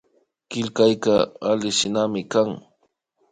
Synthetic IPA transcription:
kɪlkajkaalɪʃɪnamɪkaŋ

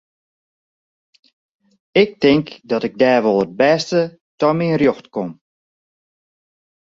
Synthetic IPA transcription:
ɪk̚tɪŋkdɔtɪɡ̚dɛːrʋɔlˠəd̚bɛstə | tɔmiənrjoxtkom

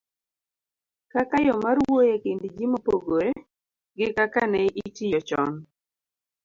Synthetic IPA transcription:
kakajɔmarwojekendd͡ʒimopoɡoɾe | ɡɪkakanɛʔitijɔt͡ʃɔ̰n

